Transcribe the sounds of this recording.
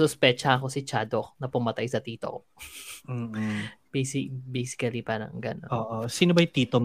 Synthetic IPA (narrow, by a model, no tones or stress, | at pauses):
sʊspɛt͡ʃɐʔɐko̞sɪt͡ʃad̪oknɐpʊmɐt̪ajsɐt̪iːt̪o̰ | besɪbejsɪ̥kɐlipaɾɐ̰ŋɡɐno̰onːʔosiːnobɐjt̪iːt̪o